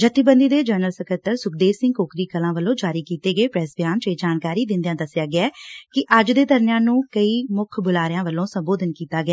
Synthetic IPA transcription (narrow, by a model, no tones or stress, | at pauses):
d͡ʒət̪ːiːbə̃nd̪iːd̪eːd͡ʒəːɾnəlsəkəɾt̪əɾsʊk̚ʰd̪eːsɪ̃ŋɡkoːkɾiːkəlãːʋəlːõːd͡ʒaːɾiːkiːt̪eːɡəeːpɾɛsbjaːnt͡ʃeːd͡ʒaːnkaːɾiːd̪ɪ̃nd̪ɪjãːd̪əsɪjaːɡɪɛːkɪʔəd͡ʒd̪eːd̪əɾnjãːnũːkəiːmʊkʰbʊlaːɾɪjãːʋəlːõːsəmboːd̪ənkiːt̪aːɡɛː